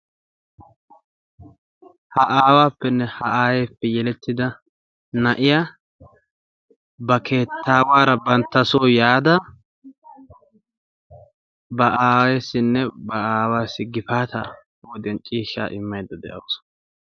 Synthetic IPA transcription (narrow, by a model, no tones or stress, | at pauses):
hɐʔaːwaːpːɛnːɛhɐʔaːjeːpːɛjɛlɛt̪ːɪd̪ɐ | nɐʔɪjaː | bɐkʰe̞ːt̪ːaːwaːɾɐbɐnt̪ːɐsoːjaːd̪ɐ | bɐʔaːwesːɪnːɛbɐaːwaːsːɪɡɪfaːt̪a̰ | wɔd̪ɪɛnt͡ʃʼiːʃːa̰ːʔɪmːɐjd̪ːɐd̪ɛ̰ʔɐws